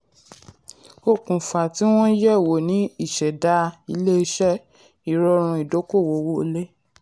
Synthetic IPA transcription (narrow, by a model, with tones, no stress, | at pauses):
o˦˨kũ˨fa˨ti˨˦w̃ɔ̃˦jɛ˦˨wo˨nĩ˨˦i˦˨ʃɛ˨da˨˦i˧le˦i˧ʃɛ˦ | i˨ɾɔ˧˦ɾ̃ũ˧i˨do˨˦ko˦˨wo˨wo˦o˧le˦